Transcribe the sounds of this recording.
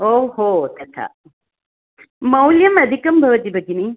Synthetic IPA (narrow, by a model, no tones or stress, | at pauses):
ohot̪ʰɐtʰa̰ | mɐwljɐmɐd̪ʱikːɐmbʱɐbɐtibɐɡini